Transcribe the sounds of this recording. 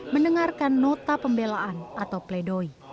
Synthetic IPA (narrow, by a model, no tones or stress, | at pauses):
mənəŋarkanːɔt̪apəmbelaʔanʔat̪awpledoi